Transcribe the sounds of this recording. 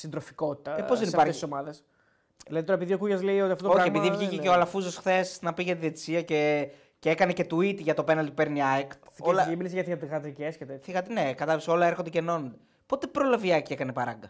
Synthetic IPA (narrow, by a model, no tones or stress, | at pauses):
sind̪ɾofi̥ko̞t̪i̥t̪ɐeposðenispɐɾesisomɐðes | ðilɐðit̪oɾɐepiðiokuʝɐzleiot̪iɐft̪ot̪ooçieiðivʝiceceolɐfuzosxθe̞snɐpiʝɐt̪iðet̪isiɐce̞ | ceekɐnece̞t̪uit̪iʝɐt̪o̞pe̞nɐlt̪̚peɾniɐjkt̪θiolɐiminesʝɐθiɣɐt̪iɣɐt̪ɾiceesçet̪eθiɣɐt̪nekɐt̪ɐlpso̞lɐe̞ɾxond̪eceno̞nond̪e | po̞t̪e̞pɾo̞lɐviɐcie̞kɐnepɐɾɐ̰ŋɡɐ